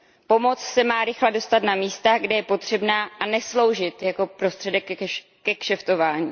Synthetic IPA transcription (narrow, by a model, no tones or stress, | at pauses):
po̞mo̞t͡ssɛmaːɾɪxlɛdo̞st̪at̪namiːst̪aɡdɛjɛpo̞t̪r̝̥ɛbnaːʔanɛslo̞wʒɪt̪jako̞pɾo̞st̪r̥ɛdɛk | kɛkʃɛft̪o̞vaːɲiː